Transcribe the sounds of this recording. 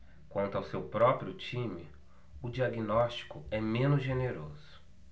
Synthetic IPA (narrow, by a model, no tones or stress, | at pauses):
kwɐ̃nt̪ʊawsewpɾɔpɾiʊt͡ʃĩmɪ | ʊd͡ʒiaɡinɔst͡ʃi̥kʊɛmẽnʊzʒeneɾozʊ